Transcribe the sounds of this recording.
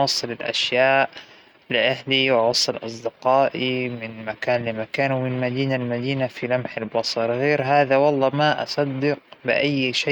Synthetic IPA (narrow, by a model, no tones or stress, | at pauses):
wɑsˤːɨlɪlʔa̰ʃjaːʔ | lɪʔaɦliwɪʕɑsˤːɨlʔɑ̰sˤd̪ɪqɑːʔimɪnmakaːnlɪmakaːnwmɪnmad̪iːnalmad̪iːnafilamħalbɑsˤɑɾˤɣeːɾɦaːðawɑlˤːɑːmaʔɑ̰sˤɑd̪ːɪqbɪʔajːʃa